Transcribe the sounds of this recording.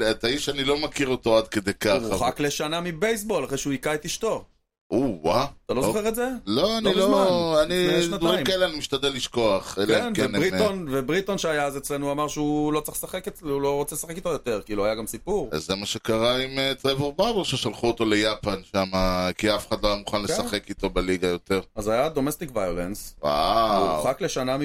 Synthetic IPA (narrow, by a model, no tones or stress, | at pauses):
t̪aiʃanilo̞makiʁot̪o̞ad̪̚ked̪ejkaχuχakle̞ʃanamibejsbo̞laχʁeʃeuikaet̪iʃt̪o̞ | ʔuwaat̪alo̞zoχeʁetze̞loanlilzomaaniʃnatʁiimkaeleanimiʃt̪ad̪elːiʃko̞aχelkeenkennʁionvebʁit̪onʃeajaazet͡slenuamaʁʃeulot͡seχlesaχekeulo̞ʁot͡selesaχekit̪ojot̪e̞ʁkiloajaɡamsipuʁa̰zzːemaʃekaʁaimet̪ʁeveʁbaweʁʃeʃalχuot̪o̞le̞japanʃamakiafeχad̪loajamuχanlesaχe̞kit̪o̞beliɡajo̞t̪e̞ʁazajad̪o̞mest̪ikvajolḛnswa̰uχakle̞ʃanam